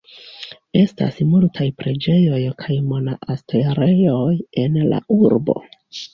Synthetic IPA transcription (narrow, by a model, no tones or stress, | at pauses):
e̞sta̰smultʰajpɾe̞d͡ʒe̞jo̞jkʰajmo̞naʔastʰe̞ɾe̞jo̞je̞nla̰ʔuɾbo̞̰